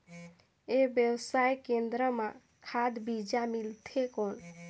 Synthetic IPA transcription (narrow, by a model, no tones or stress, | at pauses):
ebjewsajkend̪ɾəmã | kʰad̪bid͡ʒamilt̪ʰekon